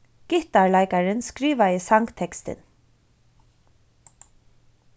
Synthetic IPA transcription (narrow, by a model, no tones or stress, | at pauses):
ɡ̥ɪht̪aɹlajkaɾɪnskɾiːʋaɪsaŋkt̪ʰɛkst̪ɪ̰n